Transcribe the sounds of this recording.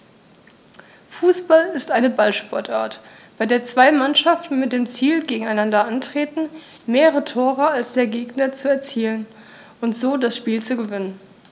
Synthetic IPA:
fuːsb̥alɪstʔaɪnəbalʃpɔɐtʔa̰ːɐt | b̥aɪdeːɐt͡sv̥aɪmanʃaftn̩mɪt̚d̥eːmt͡siːlɡeːɡŋ̩aɪnandɐʔantʁ̥eːtn̩ | meːʁəʁətʰoːʁ̞əalsd̥eːɐɡeːɡnɐt͡suɛɐt͡siːlən | ʔʊntz̥oːdasʃpiːlt͡suɡəvɪnən

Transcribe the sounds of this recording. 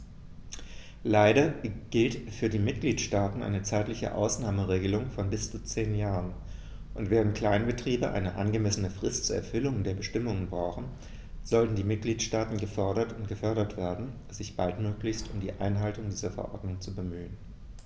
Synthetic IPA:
laɪɾɐɡ̥ɪltfyːɐdiːmɪt̚ɡ̥liːtʃtaːtn̩ʔa̰ɪnət͡saɪtlɪçə̰ʔa̰ʊsnaːməʁeːɡəlʊŋfɔnbɪst͡sut͡seːnjaːʁən | ʔʊntv̥ɛːʁ̞əntkl̥aɪnbətʁ̥iːbəʔa̰ɪnəʔa̰nɡəmɛsənəfʁ̥ɪstt͡suːɐɛ̰ɐfʏlʊŋdeːɐbəʃtɪmʊŋənbʁaʊxn̩ | z̥ɔltn̩diːmɪt̚ɡ̥liːtʃtaːtn̩ɡəfœɐɾɐtʊntɡ̥əfœɐɾɐtv̥eːɐdn̩ | zɪçb̥altmøːklɪçstʊmdiːʔa̰ɪnɦaltʊŋdiːzɐfɛ̰ɐʔɔ̰ɐdnʊŋt͡subəmyːən

